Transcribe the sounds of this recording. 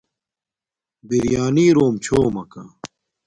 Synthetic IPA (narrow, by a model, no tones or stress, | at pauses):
biɾjaːniːɾoːmt͡ɕʰoːmɐka